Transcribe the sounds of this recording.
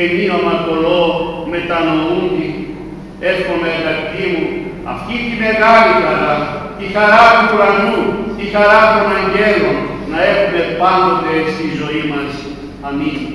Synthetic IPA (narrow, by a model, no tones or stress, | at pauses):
eniomɐt̪o̞lome̞t̪ɐnound̪i | e̞fxo̞nɐiɣɐt̪it̪imu | ɐ̰ft̪it̪ime̞ɣalixɐɾat̪ixɐɾat̪ukuɾɐnut̪ixɐɾat̪unɐɲɟe̞lomnɐe̞xume̞pand̪ot̪eeksit̪izo̞imɐs | ɐmizmu